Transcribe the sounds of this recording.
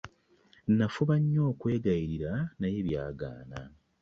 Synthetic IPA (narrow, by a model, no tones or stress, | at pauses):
nafuβaɲːo̞ːkwe̞ːɡajiɾiɾanajeβjaːɡa̰ːna̰